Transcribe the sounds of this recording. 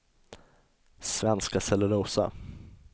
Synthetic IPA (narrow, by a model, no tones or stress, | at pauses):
svɛnskasɛlːəɾuːsa̰